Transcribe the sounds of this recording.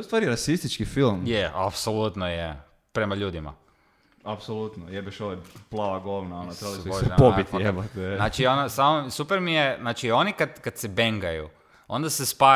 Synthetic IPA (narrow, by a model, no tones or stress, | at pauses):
ust̪ʋaːɾiɾasist̪it͡ʃkifilˠmjeʔa̰psolut̪noje | pɾe̞maʎuːd̪ima̰ | apsolut̪nojebaʃoʋeplˠaʋaɡoʋnaonot̪ɾelioʒapobit̪iebat̪naːt͡ʃionosamosupeɾmijeznaːt͡ʃio̞nikad̪kad̪̥sebeŋɡajṵ | o̞̰nd̪asespa